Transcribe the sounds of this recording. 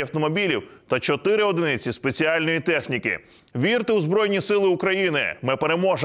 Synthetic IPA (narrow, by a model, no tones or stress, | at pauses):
ɐwt̪ɔmɔbʲilʲiwt̪ɐt͡ʃɔt̪ɪɾɪɔd̪ɪnɪt͡sʲispe̞t͡sʲiɑlʲnɔjit̪ɛxnʲikɪ̰ | ʋʲirt̪ɪwzbɾɔjnʲisɪlˠɪukɾɐjinɪmɪpeɾe̞mɔʒ